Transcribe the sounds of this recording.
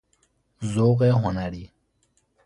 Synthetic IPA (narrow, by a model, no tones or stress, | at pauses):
zoːɣeɦʊnaɾiː